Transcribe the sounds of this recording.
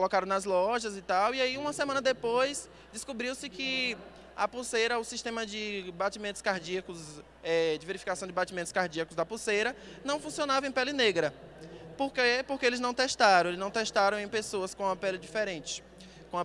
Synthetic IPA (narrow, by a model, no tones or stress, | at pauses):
kolɔkaɾɐ̃w̃nɐzlɔʒɐzɪt̪awiaiũmɐsemɐ̃nɐd̪epojs | d͡ʒɪskubɾiwsɪkɪ | ɐ̰pusejɾɐʊsiʃt̪ẽmɐd͡ʒɪbat͡ʃimẽnt̪ʊ̥skaɾd͡ʒiɐkʊz | ɛd͡ʒɪveɾifi̥kasɐ̃w̃d͡ʒɪbat͡ʃimẽnt̪ʊ̥skaɾd͡ʒiɐkʊzd̪ɐpusejɾɐ | nɐ̃w̃fũsiõnavɐẽj̃pɛlɪneɡɾɐpoɾkepoɾkeelɪznɐ̃w̃t̪ɛʃt̪aɾɐ̃welɪznɐ̃w̃t̪ɛʃt̪aɾɐ̃w̃ẽj̃pesoɐskõũɐpɛlɪd͡ʒifɛɾẽnt͡ʃɪ̥ | kõɐ